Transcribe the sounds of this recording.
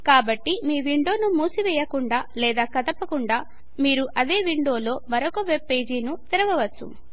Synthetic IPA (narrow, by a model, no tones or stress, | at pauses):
kaːbɐʈːimiːʋiɳɖo̞ːnumuːsiʋɛːjɐkuɳɖaːlɛːd̪aːkɐd̪ɐpːɐkuɳɖaː | miːɾuʔɐd̪eːʋiɳɖo̞ːlo̞ːmɐɾokɐʋepːe̞ːd͡ʒiːnut̪iɾɐʋɐʋɐt͡ʃːṵ